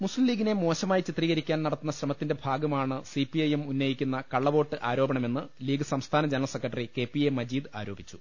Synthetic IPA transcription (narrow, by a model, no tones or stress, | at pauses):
muslimliːɡinemo̞ːɕɐmaːjt͡ɕit̪riːɣɐɾikʲːaːnɐɽɐt̪ːunːɐɕrɐmɐt̪ːinde̞bʱaːɡɐmaːɳɨsipiɐjemunːɐjikʲːunːɐkɐɭːɐʋo̞ːʈːɨʔaːɾo̞ːbɐɳɐme̞nːɨliːɡɨsɐmst̪ʰaːnɐd͡ʑɐnɐlsekːrɐʈːɐrike̞ːpːiemːɐd͡ʑiːd̪ɨa̰ːɾo̞ːbʱit͡ɕːu̥